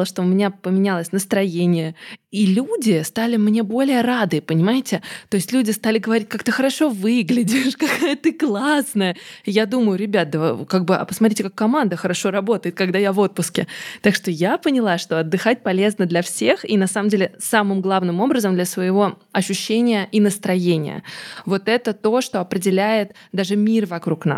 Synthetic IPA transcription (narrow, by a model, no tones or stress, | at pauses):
əʂt̪o̞ʊmʲɪnʲapəmʲɪnʲalˠəsʲnəst̪ɾɐjenʲɪjəilʲudʲɪst̪alʲɪmnʲe̞bo̞lʲɪjəɾad̪ɨəpənʲɪmajɪtʲɪt̪o̞jɪsʲtʲlʲudʲɪst̪alʲɪɡəvɐɾʲit̚ʲkakt̪ɨxəɾɐʂo̞vɨɡlʲɪdʲɪʂkɐkajət̪ɨklˠasnəjəɪjad̪uməjʊɾʲɪbʲat̪̚d̪əkaɡ̚bɨɐ̰pəsmɐt̪ɾitʲɪkakːɐmand̪əxəɾɐʂo̞ɾɐbo̞t̪əjɪt̪̚kɐɡd̪ajavo̞t̪̚pʊskʲɪt̪akʂt̪o̞japənʲɪlˠaʂt̪o̞ɐd̪ːɨxat̚ʲpɐlʲe̞znəd̪lʲɐfsʲe̞xinɐsaməmdʲelʲɪsamɨmɡlˠavnɨmo̞bɾəzəmd̪lʲəsvəjɪvo̞ | ɐɕːʊɕːenʲɪjəʔinəst̪ɾɐjenʲɪ̰jə̰vo̞t̪ɛt̪ət̪o̞ʂt̪o̞ɐpɾʲɪdʲɪlʲæjɪt̪d̪aʐɨmʲirvɐkɾukna̰s